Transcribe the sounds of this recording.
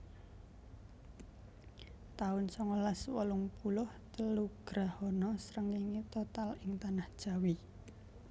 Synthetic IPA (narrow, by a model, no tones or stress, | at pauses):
t̪aʊnsɔŋɔlaswɔ̰lʊŋpulʊht̪əluɡ̥ɾahɔnɔsɾəŋiŋit̪ot̪alɪŋt̪anahd̥ʒ̥a̤wi